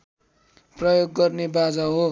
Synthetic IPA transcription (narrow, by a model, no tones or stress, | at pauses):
prʌjoɡːʌrnebad͡zaɦo